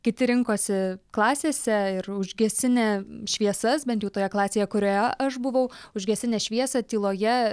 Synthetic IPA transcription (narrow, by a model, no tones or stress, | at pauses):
kʲɪt̪ʲɪɾʲɪŋkoːsʲɪklˠɑːsʲeːsʲɛɪrʊʒʲɡʲɛsʲɪnʲɛːʃʲʋʲiɛsɐsbʲɛnʲt̪ʲjɛʊt̪oːjɛklˠɑːsʲeːjɛkʊɾʲoːjɛʔɐʃbʊʋɐʊʊʒʲɡʲɛsʲɪnʲɛːʃʲʋʲiɛsɐt̪ʲiːlˠoːjɛ